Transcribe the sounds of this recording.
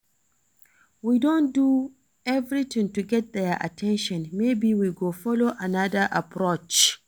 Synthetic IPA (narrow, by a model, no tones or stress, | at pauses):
widɔ̃ndu | ɛvɾit̪ɪ̃ŋtuɡɛt̚ðɛʔa̰tʰɛ̃nʃɔ̃nmebiwiɡoːfɔloʔanadaʔapɹot͡ʃ